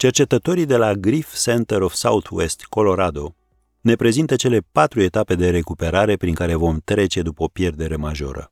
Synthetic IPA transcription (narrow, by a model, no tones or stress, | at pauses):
t͡ʃe̞rt͡ʃe̞t̪ət̪o̞ɾid̪e̞laɡɾifsent̪eɾofsa̰ut̪ʰuest̪ko̞lo̞ɾad̪o̞ | ne̞pɾe̞zint̪ət͡ʃe̞le̞pat̪ɾue̞t̪ape̞d̪e̞ɾe̞kupe̞ɾaɾe̞pɾiŋkaɾe̞vo̞mt̪ɾe̞t͡ʃe̞d̪upəo̞pje̞rd̪e̞ɾe̞maʒo̞̰ɾə̰